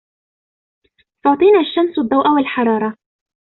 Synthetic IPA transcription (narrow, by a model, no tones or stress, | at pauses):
fʊʕt̪ˤiːnaːʃːamsad̪ˤːɑwʔawalħɑɾˤɑːɾˤɑ